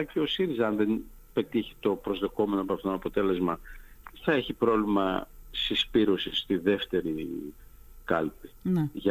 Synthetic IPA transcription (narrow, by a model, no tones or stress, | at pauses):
ɐceo̞siɾizɐɐnðen | pe̞t̪içi̥t̪o̞pɾo̞zðo̞ko̞me̞nopoɐft̪ot̪oɐpo̞t̪e̞le̞zmɐθɐeçipɾo̞vlimɐsispiɾosist̪iðe̞ft̪e̞ɾi | kɐlpinʝɐ